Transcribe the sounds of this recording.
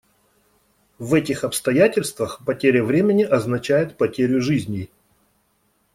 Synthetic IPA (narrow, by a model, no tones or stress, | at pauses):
vɛtʲɪxɐpst̪ɐjætʲɪlʲst̪vəxpɐtʲeɾʲəvɾʲemʲɪnʲɪʔɐznɐt͡ɕæjɪt̪̚pɐtʲeɾʲʊʐɨzʲnʲɪ